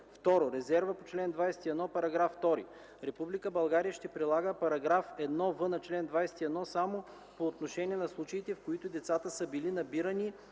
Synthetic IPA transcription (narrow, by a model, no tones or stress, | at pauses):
ft̪ɔɾoɾɛzɛɾvəpot͡ʃlɛnd̪vajsɛ̥t̪iɛd̪nɔpɐɾɐɡɾafːt̪ɔɾḭ | ɾɛpublikəbɐlˠɡaɾijəʃt̪ɛpɾilˠaɡəpɐɾɐɡɾafɛd̪nɔvɤnɐt͡ʃlɛnd̪vajsɛ̥t̪iɛd̪nɔsamo | poːt̪noʃɛniɛnɐslˠut͡ʃɐit̪ɛfkoit̪ʊd̪ɛt̪sat̪əsəbilinɐbiɾɐni